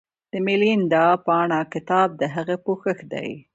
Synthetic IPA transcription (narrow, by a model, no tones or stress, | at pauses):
d̪̥əmelind̪ɑpɑɳakɪt̪ɑb̚d̪əɦaɣapoxəxd̪a̰j